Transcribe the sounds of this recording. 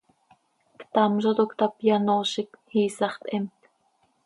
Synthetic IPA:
kt̪ɑmʒɑt̪okt̪ɑpjɑnoːʃikhiːsɑχt̪ʼʔɛmt̪

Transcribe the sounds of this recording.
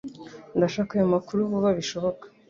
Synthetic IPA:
ndaʃaːkajomakuɾuβuβaβiʃo̞βo̞kḁ

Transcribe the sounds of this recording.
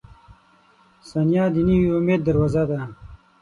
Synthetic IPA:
sanjɑd̪iniiumeːd̪̚ːəɾwazad̪a

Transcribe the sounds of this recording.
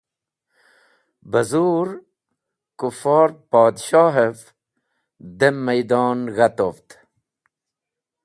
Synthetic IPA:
bəzuɾ | kufɑːɾpɑːd̪ʃɑːɦef | d̪emːajd̪ɑːnɣat̪oft̪

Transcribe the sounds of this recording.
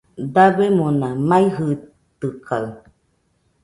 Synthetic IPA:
d̪aβemõnamãiɦɯ | t̪ɨkaɯ

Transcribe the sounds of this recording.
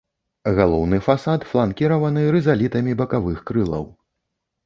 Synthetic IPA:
ɣalˠɔwnɨfasat̪flˠankʲiɾɐvɐnɨɾɨzalʲit̪ɐmʲibɐkavɨxkɾɨlˠɐ̰w

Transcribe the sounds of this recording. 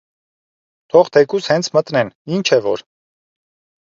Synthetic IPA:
t̪ʰɔʁt̪ʰɛkushɛnt͡sʰmət̪nɛnint͡ʃʰɛvɔ̰ɾ

